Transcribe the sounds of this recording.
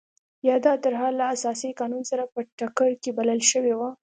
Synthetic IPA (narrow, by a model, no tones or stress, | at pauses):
jɑd̪ɑt̪əɾɦaɾlaːsɑsikɑnunsaɾapəʈakəɾkebaləlʃəwewa